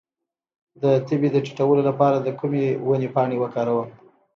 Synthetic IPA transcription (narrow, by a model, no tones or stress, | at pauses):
d̪ət̪əbed̪əʈi̥ʈawəlolapɑɾad̪əkumewənepɑɳewəkɑɾawəl